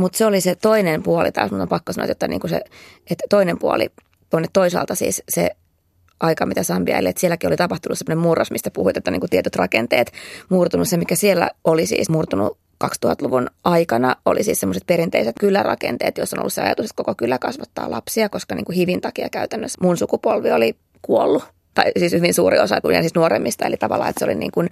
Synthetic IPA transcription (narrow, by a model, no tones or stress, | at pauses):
mut̪seoliset̪oinempuɑlḭt̪ɑ̰ːsmut̪ompɑkːosɑno̰ɑt̪jot̪ːɑniːŋkusḛ | et̪tːoinempuɑ̰lḭ | t̪oinːet̪t̪oisɑ̰ːlt̪ɑsḭːssḛ | ʔɑikɑmit̪æsɑːmpiæ̰ilːḛet̪sielːækiolit̪ɑpɑht̪unusemːonemurːɑsmist̪æpuhuit̪eot̪ːɑniːŋkut̪iet̪yt̪rɑkent̪ḛːt̪murt̪unussemikæsielːæ̰olisḭːsmurt̪unṵ | kɑkst̪uhɑt̪luʋunʔɑikɑnɑolḭsiːssemːoset̪̚peɾint̪eiset̪kylːærɑ̰kḛnt̪ḛːt̪josːono̰lːuseɑ̰jɑ̰t̪uset̪̚kokokylːˑækɑsʋɑt̪ːɑ̰ːlʔɑ̰psiɑkoskɑniːŋkuhiʋint̪ɑkiɑ̰kæyt̪ænːøsmunsukupolʋioli | kuolːu | t̪ɑisiːshyʋinsuːɾḭosɑt̪unɑ̰nsiːsnuoɾemːist̪ɑḛlit̪ɑʋɑ̰lːɑ̰ːet̪seo̰linḭːŋkun